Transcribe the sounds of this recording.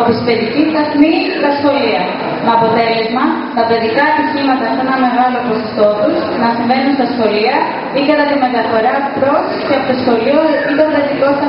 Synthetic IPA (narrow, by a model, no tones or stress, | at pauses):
pospeðicit̪ɐθni | t̪ɐsxo̞liɐ | meɐpo̞t̪e̞le̞zmɐ | t̪ɐpe̞ðikɐːt̪içimɐt̪ɐft̪oenɐme̞ɣɐlo̞pɾosost̪o̞t̪us | nɐsiɱvenunst̪ɐsxo̞liɐ | ikɐt̪ɐt̪ime̞t̪ɐfo̞ɾɐpɾo̞sceɐpot̪osxo̞lioit̪ofɾet̪ikost̪ɐ